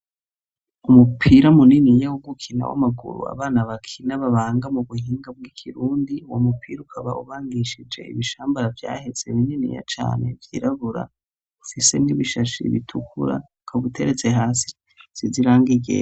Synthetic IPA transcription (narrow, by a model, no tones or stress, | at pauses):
umupʰiːɾamuninijawoɡukʰina̰wa̰maɡṵɾṵa̰βaːnaβakʰinaβaβaːŋɡamuβuhiːŋɡab̚ɡikʰiɾuːndiwomupʰiːɾaukʰaβauβaːnɡiʃid͡ʒe̞̰ḭβiʃaːmbaɾavja̰ːhe̞z̥eβininḭja̰t͡ʃa̰ːne̞vjḭːɾaβuɾa̰ | ufise̞miβiʃaʃḭβḭtʰukṵɾa̰ | kʰaβutʰeɾet͡se̞ɦaːsi̥ | z̥iziɾaːŋɡiɟḛ